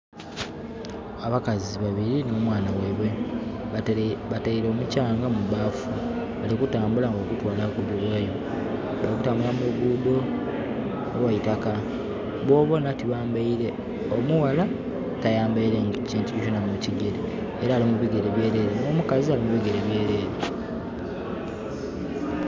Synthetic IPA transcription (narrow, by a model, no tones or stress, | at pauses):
aβakaziβaβiɾinomwaːnaweβwe̞ | βataiɾo̞ːmucaːŋɡamuβaːfu | alikutaːmbulaŋɡoːkutwaːlakuβulweːjo̞ | βalikutaːmbulameɡudo̞ | nowajitaka | βwo̞ːβo̞natiβaːmbaiɾe̞ | omuwala | tajaːmbaiɾeŋaciːntuoconamuciɡe̞ɾeː | ɾaːlimuβiɡe̞ɾeβje̞ːɾe̞ːɾenoːmukazialimuβiɡeɾeβje̞ːɾe̞ːɾe